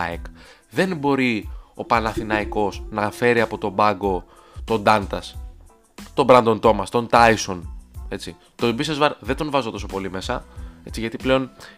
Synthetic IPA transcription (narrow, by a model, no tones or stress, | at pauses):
ek | ðe̞nbo̞ɾio̞pɐnɐθinɐiko̞snɐfe̞ɾiɐpo̞t̪o̞bɐɡo̞ | t̪o̞nd̪ɐnt̪ɐs | t̪o̞bɾɐnd̪o̞nt̪o̞mɐst̪o̞nt̪ɐjso̞ne̞t͡si | t̪obisezvɐɾðe̞d̪onvɐzo̞t̪o̞so̞po̞lime̞sɐe̞t͡siʝɐt̪iple̞o̞n